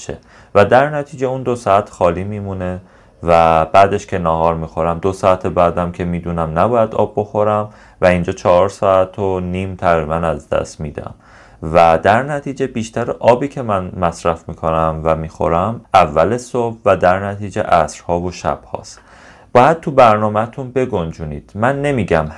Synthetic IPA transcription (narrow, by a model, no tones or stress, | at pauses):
ʃe | væd̪æɾnæt̪ʰiːd͡ʒeund̪o̞sɒæt̪ʰxɒːliːmiːmune̞ | væb̥æːd̪e̞ʃcʰʲe̞nɒːɦɒːɾmiːxo̞ɾæmd̪osɒæt̪ʰebæːd̪æmcʰe̞miːd̪unæmnæbɒːjæd̪ɒ̰ːbːo̞xo̞ɾæm | væind͡ʒɒːt͡ʃʰɒɦɒɾsɒæt̪ʰoniːmt̪ʰæɣɾibænæzd̪æ̰st̪miːd̪æ̰m | væd̪æɾnæt̪ʰiːd͡ʒe̞biːʃt̪ʰæɾʔɒːbiːcʰe̞mænmæsɾæfmiːkʰo̞næmvæmiːxo̞̰ɾæmʔævːælesobvæd̪æɾnæt̪ʰiːd͡ʒḛʔæsɾhɒːvoʃæ̰b̥hɒ̰ːst̪ | b̥ɒːjæd̪̥̚t̪ʰubæɾnɒːmet̪ʰunbe̞ɡond͡ʒuːniːd̪̥mænːe̞miːɟæm